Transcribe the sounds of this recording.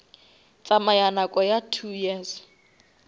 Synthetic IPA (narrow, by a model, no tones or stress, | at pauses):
t͡sʼamajanakʼɔjatʰujɛːs